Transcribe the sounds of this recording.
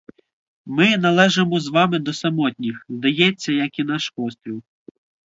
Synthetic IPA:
mɪnɐlˠɛʒemɔzʋɑmɪd̪ɔsɐmɔtʲnʲixzd̪ɐjɛt͡sʲːɐjɐkinɑʃpɔst̪ɾʲiw

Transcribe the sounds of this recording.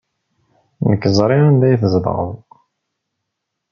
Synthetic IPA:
nəkːəzˤɾˤiænd̪æjθəzd̪̰ʁə̰ð

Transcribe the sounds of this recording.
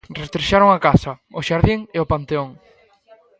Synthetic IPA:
rest̪ɾeʃaɾoŋakasɐ | ʊʃaɾðiŋeopant̪eoŋ

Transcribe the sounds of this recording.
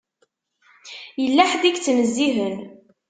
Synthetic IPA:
jəlːæħd̪ikt͡sːnəzːiɦən

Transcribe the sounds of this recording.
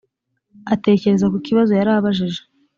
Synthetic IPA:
ate̞ːce̞ɾe̞zakokiβazo̞jaɾaːβaʒiʒe̥

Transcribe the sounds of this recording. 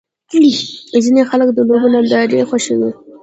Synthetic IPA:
kɽizinexalək̚d̪əlobonad̪aɾexaʃewi

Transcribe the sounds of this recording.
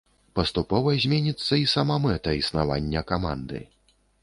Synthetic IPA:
pɐst̪upɔvɐzʲmʲɛnʲit̪sːɐisɐmamɛt̪ɐisnavanʲːɐkama̰nd̪ɨ̰

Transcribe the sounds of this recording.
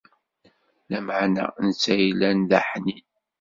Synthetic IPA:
læmaʕnæ̰nt͡sːæjlænðaħni

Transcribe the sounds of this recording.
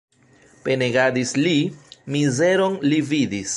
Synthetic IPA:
pe̞neɡadislimize̞ɾo̞nlividis

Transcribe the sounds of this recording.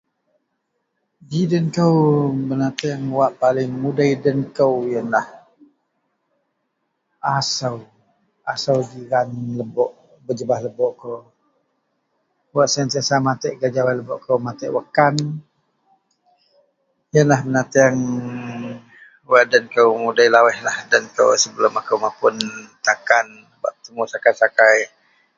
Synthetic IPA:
ɡidənkəwbənat̪əaŋwaʔpalɪŋmudaidənkəwjənlah | asəw | asəwdiɾanləbɔʔ | bəd͡ʒəbahləbɔʔkow | waʔsant̪iasamat̪ɛʔɡad͡ʒawaləbɔʔkəwmat̪ɛʔwakan | jənlahmənat̪iaŋ | waʔdankəwmudajlawɛhlahdankə̰wsəbəlʊmakəwmapʊnt̪akan | baʔp̚ət̪əmusakajsakaj

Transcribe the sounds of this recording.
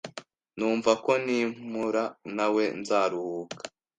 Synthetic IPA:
nuːɱvako̞nim̥uɾanawe̞nzaːɾuhuːkḁ

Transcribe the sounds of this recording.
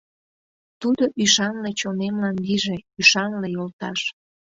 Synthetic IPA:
t̪ud̪oʔyʃɑnlet͡ɕonemlɑnliʒeyʃɑnlejolt̪ɑʃ

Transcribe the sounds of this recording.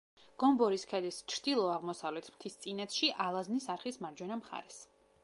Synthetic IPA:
ɡ̥ɔmbɔɾiskʰɛlist͡ʃʰɾd̪̥ilˠɔaʁmɔsavlɛt̪ʰmt̪ʰist̪sʼinɛt̪sʰʃiʔalˠaznisaɾχismaɾd͡ʒwɛnamχa̰ɾɛs

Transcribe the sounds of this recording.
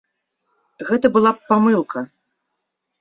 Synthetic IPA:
ɣɛt̪ɐbɨlˠapamɨlˠkʰɐ

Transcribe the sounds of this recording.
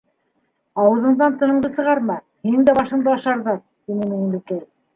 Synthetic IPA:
ɑwɤ̆ðɤ̆ɴðɑnt̪ɤ̆nɤ̆ɴðɤsɤ̆ʁɑɾmɑ | hinɘŋd̪æbɑʃɤ̆ɴd̪ɑɑʃɑɾðɑɾ | t̪inɘminɘmb̪ɘkæɾ

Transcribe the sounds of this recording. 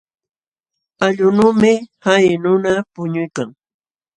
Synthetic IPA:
aʎʊnuːmɪhajnʊnapʊɲʊjkaŋ

